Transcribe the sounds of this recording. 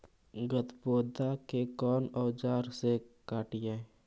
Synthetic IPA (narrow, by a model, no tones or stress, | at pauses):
ɡət̪boːd̪akekɔːnɔːd͡ʒaːɾsekaːʈɪjẽː